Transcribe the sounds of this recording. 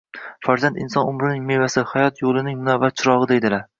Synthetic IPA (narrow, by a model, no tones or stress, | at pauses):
faɾzand̪ɪnsɒnʊmɾɪnɪŋme̞vasɪhajɒt̪jolˠɪnɪŋmʊnavːat̪̚t͡ʃʰɪɾɒʁɨd̪e̞jd̪ɪlaɾ